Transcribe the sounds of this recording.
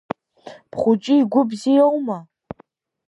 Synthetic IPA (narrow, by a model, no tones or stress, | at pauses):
pʰχʷʊt͡ʃʼiiɡʷʊbzijowma